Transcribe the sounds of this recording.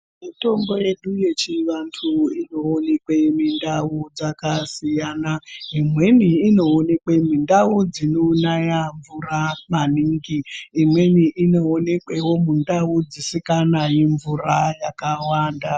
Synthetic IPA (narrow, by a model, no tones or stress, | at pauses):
mito̞mbo̞je̞ɗuje̞t͡ʃiʋantʰuino̞ːne̞kwemindaud͡zakasijanaimwe̞niːno̞ːne̞kwemindaud͡zinonajaɱvuramaniːŋɡiːmwe̞niʔinoːnekwewo̞mundaud͡zisikanajiɱvurajakawaːnda